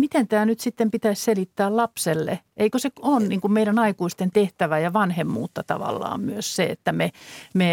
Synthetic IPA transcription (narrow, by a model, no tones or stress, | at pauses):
mit̪ent̪æːnyt̪sit̪ːempit̪æisselit̪ːæːllɑpselːḛʔeikøseonniːŋkummeiɾænɑikuist̪ent̪eht̪æʋæjɑʋɑnhemːṵːt̪ːɑt̪ɑ̰ʋɑ̰lːɑ̰ːmmyøsseḛt̪ːæmeme